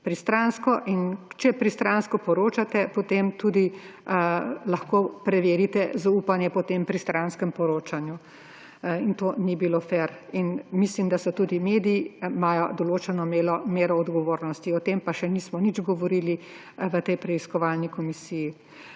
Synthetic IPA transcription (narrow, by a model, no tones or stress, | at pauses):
pɾist̪ɾanskɔʔint͡ʃɛpɾist̪ɾanskɔpɔɾoːt͡ʃat̪ɛpɔt̪emt̪uːd̪i | lɐxkoːpɾɛʋeːɾit̪ɛzaupanjɛpɔt̪empɾist̪ɾanskəmpɔɾoːt͡ʃanju | int̪oːnibilofɛɾinmislimd̪asɔt̪uːd̪imeːd̪ijimaːjɔd̪ɔloːt͡ʃɛnɔmeːlɔmeːɾɔːd̪ɡɔʋoːɾnɔst̪iɔt̪empaʃɛniːsmɔnid͡ʒɡɔʋɔɾili | ʋət̪ɛjpɾɛiskɔʋalnikɔmisiji